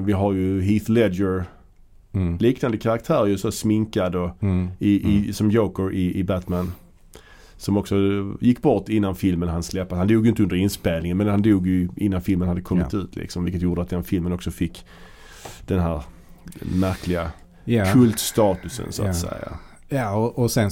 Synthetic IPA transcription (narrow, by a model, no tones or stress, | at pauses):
vɪɦaɾjɵɦiθlɛdəɾ | liːknand̪əkʰaɾak̚t̪ʰæːɾjəsɔsmɪŋkad̪ɔɪʔɪsɔmjoːkəɾʔɪʔɪbæt̪mæn | sɔmɔksɔjɪkːbɔʈːɪnːanfɪlmənɦanslɛpːashand̪uːɡjʏɪnt̪əɵnd̪əɾɪnspeːlnɪŋənmɛnhand̪uːɡjɵɪnːanfɪlmənhad̪ːəkʰɔmːɪt̪ʉ̟̰ːt̪ʰlʔɪ̰ksɔmvɪlkət̪juːɖəat̪̚d̪ɛnfɪlmənɔksɔfɪkː | d̪̥ɛnɦæːɾ | mæɾkʰlɪɡa | kʰɵlt̪st̪ɑːt̪ɵsə̰nsʊa̰t̪sɛ̰ja̰ | ɔʔɔsɛn